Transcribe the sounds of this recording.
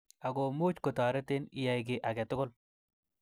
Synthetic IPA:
a˨ɡo˨mʊ˦t͡ʃkɔ˨t̪aː˨ɾɛ˦t̪ɪ˦nɪ˨ja˨jɡɪ˨ʔa˨ɡɛ˨t̪ʊ˦ɡʊ˦l

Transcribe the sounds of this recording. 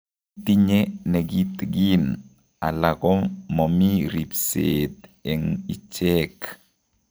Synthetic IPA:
ti˦ɲe˦nɛ˨ɡi˦t̪ɡi˦n | a̰˨la˨kɔ˦mɔ˨mi˦ɾi˨pset̪ɛ˨ŋi˨t͡ʃɛ˦k

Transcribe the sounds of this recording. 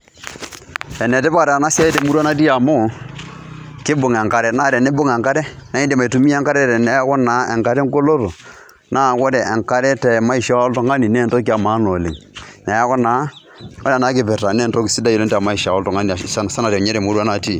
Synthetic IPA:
ɛ˨nɛ˨tɪ˦ba˦˨ɾa˨na˦si˦a˦jde˨mu˦ɾa˦na˦t̬i˦a˨mo˦˨ | kɪ˦bʊ˨ŋɛ˨ŋka˨ɾɛ˦na˦˨ɾɛ˨ne˦bʊ˦ŋɛ˨ŋka˦ɾɛ˦na˨˦i˦nde˨ma˨tu˨mi˦ɛ˦ŋka˦ɾɛ˦˨ɾɛ˨nɛ˨˦kɔ˦naː˨˦ʔɛ˨ŋka˨˦ɾɛ˦ŋ˦ɡo˦lo˦to˨ | naː˦˨kɔ˦dɛ˨ʔɛ˨ŋka˦ɾɛ˦tɛ˨ma˦i˨ʃa˦o˦ltɔ˨ŋa˦ni˨nɛ˦˨nto˦ki˦a˨maː˨˦no˨lɪ˨ŋnɛ˨ja˦kɔ˦na˨˦ | ɔ˦ɾna˨˦kɪ˨pɛ˨ta˨nɛ˦˨nto˦ksi˦da˦ji˨lo˦ntːma˦i˨ʃa˨ɔ˦ltɔ˨ŋa˦ni˨sa˦n˨sa˦na˨ɾɛ˨ɲɛ˦ɾɛ˨mu˦ɾu˦a˦na˨ti˦˨

